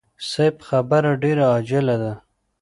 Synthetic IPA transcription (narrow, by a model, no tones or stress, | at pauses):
sajpxabaɾaɖeɾaɑd͡ʒɪlad̪a